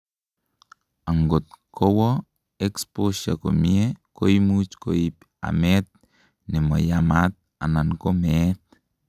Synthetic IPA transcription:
aŋɡot̪̚kʰowo | ekspoʃa̰ko̰miekojmut͡ʃkoip | a̰met̪̚ | nemo̰jamat̪̚ | a̰nankomet̪

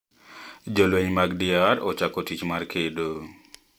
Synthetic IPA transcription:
d͡ʒolweɲmaɡdiaɾɔt͡ʃakotit͡ʃmarkʰedo

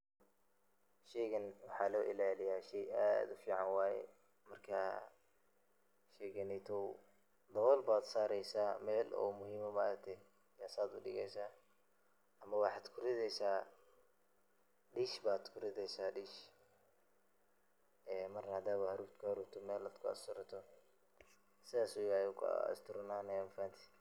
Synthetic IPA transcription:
ʃɛːɣɐnwɑħɑːlɔːʔɪlaːlɪjaːʃɛja̰ːd̪ʊfiːʕɑnwaːjɛ̰ | mɐrkʰa | ʃɛːɣɐnɛjt̪ʰɔw | d̪ɐβɔlbaːd̪saːɾɛjsaːmɛːlʔɔ̰ːmʊhiːmɔmɐɾk̚t̪ʰɛ | jaːsaːd̪ʊɖɪ̰ɣɛ̰jsaː | ɐmɐwɑħɑːd̪kʰʊɾɪðɛjsaː | ɖiːʃbaːd̪kʰʊɾɪðɛjsaːɖiːʃ | ɛːmɐrnɐhɐd̪aːβɐhɐɾuːɾt̪kʰʊhɐɾuːɾt̪ʰɔmɛːlɐd̪kʰʊɐ̰st̪ʊɾɐt̪ʰɔ | sɪðaːsɔjɐjukʰʊ̰ɐ̰st̪ʰʊɾnaːnɛjmfaːnt̪ʰi̥

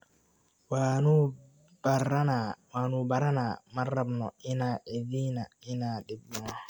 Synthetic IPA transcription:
wanu | baɾanawanubaɾanamarabnɔ̰ɪnaeðinaɪnadeb̚nɔ

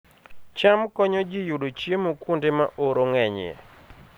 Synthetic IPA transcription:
t͡ʃamkɔɲɔd͡ʒɪjudot͡ʃjemokwundemaʔoɾoŋɛɲḛ

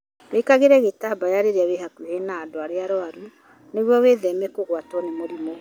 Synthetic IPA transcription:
weikaɣeɾɛɣetabajaɾeɾeaweɦakwuhenaːdoaɾeaɾoaɾu | neɣwɔweðɛmɛkoɣwatɔnemoɾimo

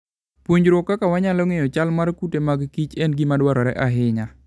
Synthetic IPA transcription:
pwoɲd͡ʒɾokːakawaɲalɔŋejɔt͡ʃalmarkutemaɡkit͡ʃɛnɡimadwaɾɔɾɛ̰ʔaɦɪɲa

